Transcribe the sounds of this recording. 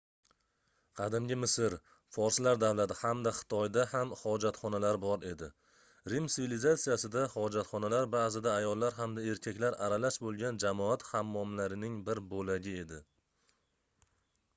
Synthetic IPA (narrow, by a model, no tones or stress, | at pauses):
qʰɑd̪ɪmɡʲɪmɪsɪɾ | fɒɾslaɾd̪avlat̪ɪhamd̪aχɪ̥t̪ʰɒjd̪ahamhɒd͡ʒat̪χɒnalaɾbɒɾe̞d̪ɪ | ɾimt̪ɪvilizat̪sijasɪd̪ahɒd͡ʒat̪χɒnalaɾbazɪd̪aːjɒlˠːaɾɦamd̪ae̞ɾkʲʰakʲlaɾaɾalaʃbolˠɡʲand͡ʒamɒat̪hamːɒmlaɾɪnɪŋbɪɾbolaɡʲɪe̞d̪ɪ